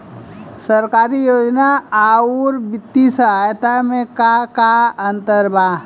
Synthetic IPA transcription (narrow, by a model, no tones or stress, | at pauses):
səɾkaːɾijoːd͡ʒnaaːuɾbɪt̪ːisəɦajt̪amẽkakaə̃nt̪əɾbaː